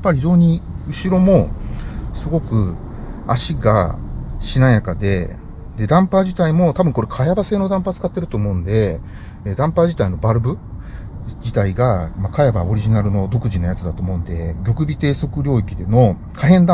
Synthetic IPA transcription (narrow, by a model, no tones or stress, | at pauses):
apːaɾʲiçio̞ːɲ̟iɯ̟ɕiɾo̞mo̞ | sɨɡo̞kɯ̟ | a̰ɕiɡa̰ɕinãjakad̪e̞ | d̪e̞d̪ãmpad͡ʑit̪aimo̞t̪abɯ̟ŋko̞ɾe̞kʰajabase̞ːno̞d̪ãmpat͡sɨ̥kat̪ːe̞ɾɯ̟t̪o̞ːmo̞ɯ̟̃nd̪e̞ | d̪ãmpaʑit̪aino̞baɾɯ̟bɯ̟ | d͡ʑit̪aiɡamakajebao̞ɾʲiʑinaɾɯ̟no̞d̪o̞kɯ̟ʑinojat͡sɨd̪at̪oːmo̞ɯ̃nd̪e̞ɡʲo̞kɯ̟bʲit̪e̞ːso̞kɯ̟ɾʲo̞ːikʲid̪e̞no̞ | kʰaɦẽ̞nd̪a